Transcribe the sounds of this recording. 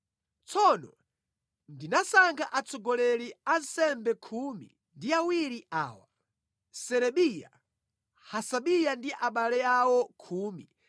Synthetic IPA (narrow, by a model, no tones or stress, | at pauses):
t͡sʰɔnɔ | ndinasaŋɡʰaʔat͡sʰɔɡɔlɛɾiansɛmbɛkʰumḭ | ndiawiɾiʔaːwa | sɛɾɛɓija̰ | hasaɓijandiʔaɓalɛawɔkʰuːmi